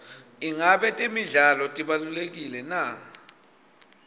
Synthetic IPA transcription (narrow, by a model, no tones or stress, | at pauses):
iŋaɓɛtʼimiɮalɔtʼiɓalulek̬ilɛna